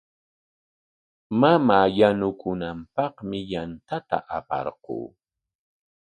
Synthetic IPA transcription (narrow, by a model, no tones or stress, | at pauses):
mamaːjanʊkʊnampɑχmɪjant̪at̪a̰ʔapɑ̰ɾqṵː